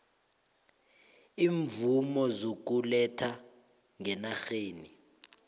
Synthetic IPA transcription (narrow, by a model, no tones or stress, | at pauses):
iːɱvumɔzok̬ulɛtʰa | ŋɛnaxeːni